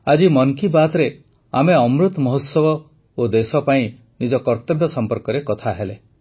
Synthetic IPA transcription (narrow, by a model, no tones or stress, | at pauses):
ad͡ʒimɔŋkibat̪ɔɾe | ameɔmɾut̪mɔɦot̪sɔbɔ | od̪esɔpaĩ | nid͡ʒɔkɔɾt̪ebʱjɔsɔmpɔɾkɔɾekɔt̪ʰaɦele